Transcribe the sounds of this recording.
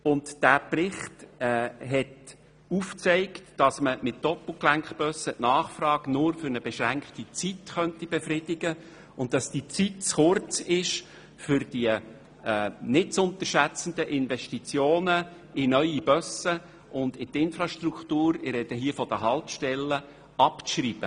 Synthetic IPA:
ʊntd̥æːprɪχtːɦɛt | uft͡seɪktd̥ɑsməmɪt̚d̥ɔpl̩ˠklæŋkχb̥œsəʔnɑːχfɾɑːɡ̥nʊɾfʏɾnəb̥ɛʃɾæŋkχtit͡sitχœntib̥ɛfrɪd̥ɪɡ̥ə | ʊntd̥ɑsd̥it͡sitt͡sχʊrt͡sɪʃ | fʏɾd̥iə | ɛːnɪt͡sʊnt̪əʃæt͡sən̩d̪əʔɪnvɛʃtit͡sjoːnə | ɪnœʏibœsə | ʔʊnd̪ɪt̪ɪnfɾɑʃtrukχt̪uːɾɪrɾɛd̥̪əɦiəfɔd̥əɦɑltʃtɛlːə | ɑpʃriːb̥ə

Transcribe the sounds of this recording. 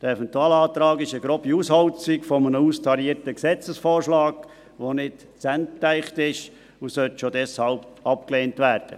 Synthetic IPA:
d̥əɛfɛntuaːlɑːt̪ɾɑːɡɪʃəɡɾɔbiushɑlt͡sɪkfɔmənəustʰɑɾiəɾtəksɛt͡səsfɔːɾʃlɑːɡ | ʋonɪt | t͡sænttæɪχtɪʃ | usœltʃodɛshɑlb̚ɑp̚kleːntʋæːɾd̥ə̰

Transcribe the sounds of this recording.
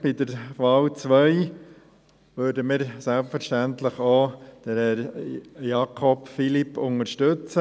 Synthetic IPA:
b̥id̪əɾʋɑːlt͡sʋœɪ | ʋøːɾdəmɪːɾsɛlpfəɾʃtænt̪ləχoːd̪̥əɾ | jɑkʰɔpfilipʰʊŋəɾʃtɵt͡sə

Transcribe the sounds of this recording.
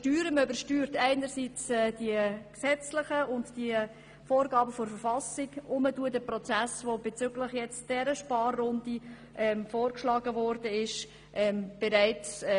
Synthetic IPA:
ʃtyːɾəmøbəɾʃtyːɾtæɪnəɾsiːt͡sɛːd̥iəksɛt͡slɪχəʊntd̥iə | foːɾɡɑːbəfɔɾfəɾfɑsɪɡʊməduədəprɔt͡sæsvobɛt͡sʏɡləχjɛt͡sd̥ɛɾəʃpɑːrːʊndi | ʔɛmfoːrkʃlɑːɡəvɔːrdəɪʃ | ʔɛmb̥ɛɾaɪt͡s

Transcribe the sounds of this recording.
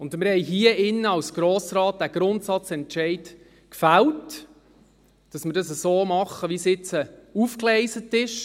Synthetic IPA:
ʊndmɪɾhɛɪjɦiəʔɪnːəɑwsɡ̥ɾoːsɾɑːt̚d̥æɡ̥ɾʊntsɑt͡sɛntʃɛɪt | kfælt | d̥ɑsmɪɾdɑsəsoːmɑχːəʋisɪt͡səufklɛɪsətɪʃ

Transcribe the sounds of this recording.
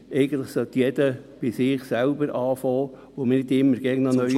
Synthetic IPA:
ɛɪɡən̩t̪ləχsɔt̪ːjɛd̪əb̥ɪsɪːχsælbəɾɑːfɔː | ʋomnɪd̪ɪmːəɾɡ̥ɛɡnɑnœ

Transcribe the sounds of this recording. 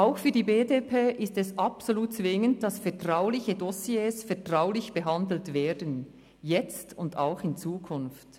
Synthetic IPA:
ʔaʊxfyːɐdiːbeːdepʰeːʔɪstɛsɑpsoluːt̚t͡svɪŋənd̥ɑsfɛɐtʁ̥aʊlɪçədosjeːsfɛɐtʁ̥aʊlɪçb̥əɦɑndl̩tveːdən | jɛt͡stʊnda̰ʊxɪnt͡suːkʰʊnft

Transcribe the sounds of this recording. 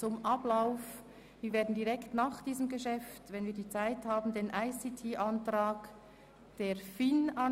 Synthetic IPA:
t͡sʊmʔaplaʊf | viːveːɐdn̩diʁɛktnaːχd̥iːzəmɡəʃɛftvɛnviːɐdiːt͡saɪthaːbn̩deːnʔaɪsitʰiːʔantʁaːk | d̥eːɐfina

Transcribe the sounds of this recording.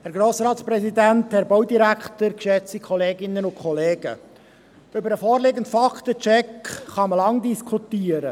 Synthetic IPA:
hæɾɡɾoːsɾɑːtsprɛsidænthɛɾbowdiɾækχtəɾkʃɛt͡sikʰɔleːɡɪnənʊnkʰɔleːɡə̰ | ʏbəɾəfoːɾleːɡəntfɑktət͡ʃɛkχɑməlɑŋdiskʰutiːəɾə

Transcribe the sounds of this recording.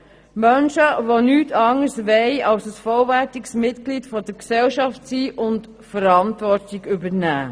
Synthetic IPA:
mœnʃəvonyːtʰɑŋəsʋɛɪɑlsəsfɔlvæɾtiksmɪtklitfɔdəɾksɛlʃɑftsiːʔʊnt | fəɾɑntvɔɾtiɡʏbəɾnæː

